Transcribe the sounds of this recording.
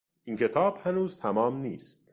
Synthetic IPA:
ʔincʰe̞t̪ʰɒːb̥hænuːzt̪ʰæmɒːmniːst̪

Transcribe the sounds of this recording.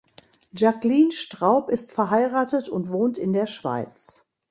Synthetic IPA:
ʒakliːnʃtʁ̥aʊpɪstfɛɐɦaɪʁaːtətʊntv̥oːntɪndeːɐʃv̥a̰ɪt͡s

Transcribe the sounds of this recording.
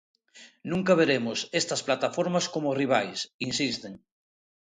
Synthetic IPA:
nũŋkaβ̞eɾemʊsest̪ɐsplat̪afoɾmaskomoriβ̞ajsinsist̪eŋ

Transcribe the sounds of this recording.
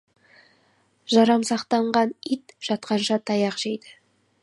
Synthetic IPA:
ʒɑɾɑmsɑqt̪ɑɴʁɑnit̪ʒ̥ɑt̪̚qɑnʃɑt̪ʰɑjɑqʒ̥ejd̪ɪ

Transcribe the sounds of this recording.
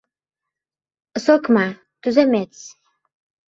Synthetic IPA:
əsokmɑ | t̪yzemet͡s

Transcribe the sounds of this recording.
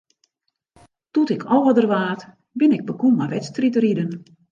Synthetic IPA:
tutɪkʰɔlˠʋɔdərʋaːt | bɪnɪɡ̚bəkummaʋɛtstritəridən

